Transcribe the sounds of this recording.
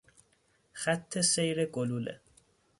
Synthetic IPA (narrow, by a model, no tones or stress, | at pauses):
xæt̪ʰːesejɾeɡoluːlḛ